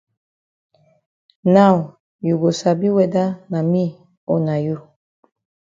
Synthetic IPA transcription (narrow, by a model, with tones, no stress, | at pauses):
na˦˨w | ju˨ɡo˨sa˨bi˦wɛ˨da˦na˨mi˦˨ | o˨na˨ju˦